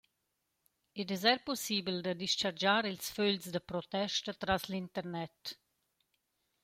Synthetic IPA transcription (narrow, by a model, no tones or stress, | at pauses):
ɛdɛzɛɾposiːbld̪ad̪iʃt͡ʃaɾd͡ʒaːɾilsføʎsd̪əpɾɔt̪ɛʃtət̪ɾaslint̪əɾnɛt